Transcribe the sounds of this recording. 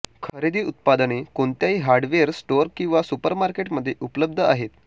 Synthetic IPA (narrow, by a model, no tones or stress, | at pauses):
kʰəɾid̪ʱiːut̪̚pad̪ənekoɳt̪jaɦiːɦaɾɽʋeəɾsʈoɾkĩw̃ʋasupəɾmaɾkeʈməd̪ʱːjeʔupləb̚d̪ʱəaɦet̪